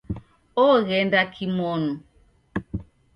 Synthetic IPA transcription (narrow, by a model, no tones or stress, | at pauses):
ɔɣɛndakʰimɔnu